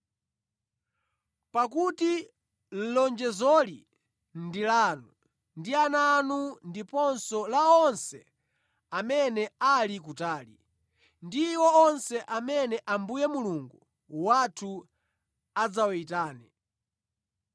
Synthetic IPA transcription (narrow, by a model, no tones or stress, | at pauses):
pakuti | l̩lɔnd͡ʒɛzɔli | ndilanu | ndiananundipɔnsɔlaɔnsɛ̰ | amɛnɛalik̬utaːlḭ | ndiwɔɔnsɛʔamɛnɛʔambujɛmuluŋɡu | watʰu | ad͡zawaitaːnɛ